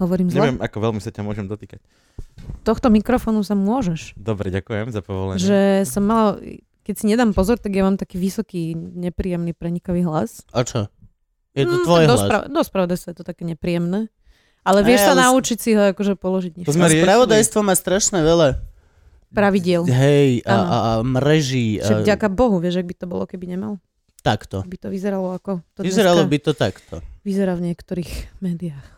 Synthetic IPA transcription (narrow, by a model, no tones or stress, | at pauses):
ɦɔʋɔɾiːmzɲlɛlʋɛmʔakɔʋɛlmisacamʊɔʒɛmd̪ɔt̪iːkac̚ | t̪ɔxt̪ɔmikɾɔfɔːnusamʊɔʒɛʃd̪ɔbɾɛ̰ɟakujɛmzapɔʋɔ̰lɛ̰ɲʒɛsɔmːala | kɛcsiɲɛd̪aːmpɔzɔɾt̪aɡjaʋaːmt̪akiːʋisɔkiːɲɛpɾiːjɛmnipɾɛɲikɔʋiːɦlasat͡ʃɔ | jɛt̪ɔt̪ʋɔjɦd̪ɔsɾa̰d̪ɔspɾaʋɔd̪ajst̪ajɛt̪ɔt̪akɛːɲɛpɾijɛmnɛː | ʔalɛʋɪɛʃsanaut͡ʃicsiɦɔakɔʒɛpɔlɔʒiɟɲɛzmɛɾpɾaʋɔd̪ajst̪ʋɔmaːst̪ɾaʃnɛʋɛla | pɾaʋiɟɪɛlɦɛjʔaamɾɛʒiːɛvɟakabɔɦuʋɪɛʒaɡ̚bit̪ɔbɔlɔ̰kɛbiɲɛma̰l | t̪akt̪ɔ̰bit̪ɔʋizɛɾalɔakɔt̪ɔizzɛɾalɔbit̪ɔt̪akt̪ɔʋizɛɾaːvɲɪɛkt̪ɔɾiːxmɛːd̪iaːx